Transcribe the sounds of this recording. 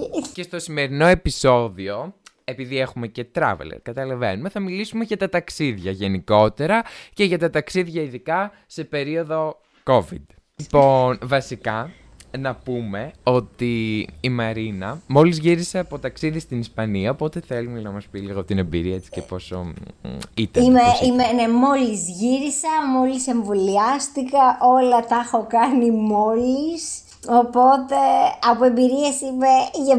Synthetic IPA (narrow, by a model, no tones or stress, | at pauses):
ce̞st̪o̞sime̞ɾino̞e̞piso̞ðio̞ | e̞piðie̞xume̞ce̞t̪ɾɐ̰vḛlḛɾkɐt̪ɐlɐve̞nume̞θɐmilisume̞ʝɐt̪ɐt̪ɐksiðʝɐʝe̞niko̞t̪e̞ɾɐce̞ʝɐt̪ɐt̪ɐksiðʝɐiðikɐ | se̞peɾio̞ðo̞ | ko̞vḭd̪ | ponvɐsikɐ | nɐpume̞o̞t̪iːmɐɾinɐmo̞lizʝiɾise̞ɐpo̞t̪ɐksiðist̪inispɐniɐopo̞t̪e̞θe̞lunnɐmɐspiliɣoot̪inembiɾiɐesi̥cepo̞so̞̰ | it̪ɐimeimenemo̞lizʝiɾisɐmo̞lise̞ɱvoliɐst̪ikɐʔo̞lɐt̪ɐxo̞kɐnimo̞lis | o̞po̞t̪e̞ɐpoe̞mbiɾie̞simeʝɐ